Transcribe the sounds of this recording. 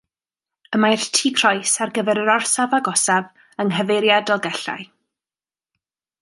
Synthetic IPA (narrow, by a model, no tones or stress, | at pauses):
əmajrtʰiːkʰrɔjsarɡəvɛɾəɾɔrsavaɡɔsav | əŋɦəveɾjadɔlˠɡɛɬa̰j